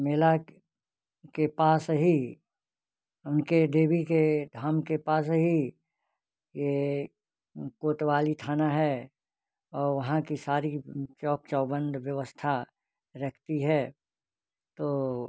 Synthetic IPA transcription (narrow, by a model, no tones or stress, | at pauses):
meːla | kepaːsɦi | ʊnkeɖ̪eːbiked̪ʱaːmkepaːs̬ɦi | je | koːt̪ʋaːlit̪ʰaːnaɦɛː | ɔːɾʋɐɦãkisaːɾit͡ʃɔːk̚t͡ʃɔːbə̃nd̪ʱʋjɐʋəst̪ʰa | ɾɐkʰt̪iɦɛː | t̪oː